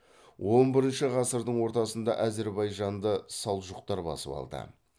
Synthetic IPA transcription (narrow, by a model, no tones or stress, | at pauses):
wʔo̞nbɪɾɪnʃɪʁɑsəɾd̪əɴwo̞ɾt̪ɑsənd̪ɑʔæze̞ɾbɑjʒɑnd̪əsɑlˠʒʊq̚t̪ɑɾbɑ̰sə̰pɑ̰lˠd̪ə̰